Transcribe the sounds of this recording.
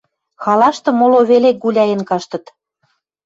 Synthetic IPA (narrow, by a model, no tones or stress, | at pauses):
xɑlɑʃt̪ɤ̆moloβelek̚ɡulʲæjə̆nkɑʃt̪ɤ̆t̪